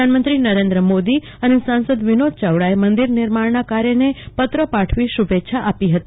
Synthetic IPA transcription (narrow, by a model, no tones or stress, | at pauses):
anmənt̪ɾinəɾẽnd̪ɾəmod̪i | ənesãnsəd̪ʋinod̪̚t͡ʃəʋɽaemənd̪iɾnɪɾmaɳnakaɾjənepət̪ɾəpaʈʰʋiʃubetːʃʰaʔapiɦət̪i